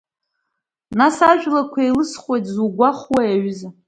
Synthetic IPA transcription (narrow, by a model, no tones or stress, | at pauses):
nasaʒᶣlakʷʰailɨsχwejtʰʼzuɡʷaχwajaɥza